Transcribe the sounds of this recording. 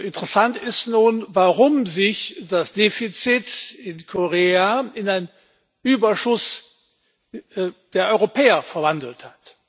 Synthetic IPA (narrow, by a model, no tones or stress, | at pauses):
ʔɪntəʁəsantɪstnuːnvaʁʊmzɪçd̥asd̥eːfit͡sɪtɪnkʰoʁeːaɪnaɪn | ʔyːbɐʃʊs | d̥eːɐʔɔʏʁopʰɛːɐfɛɐvandl̩that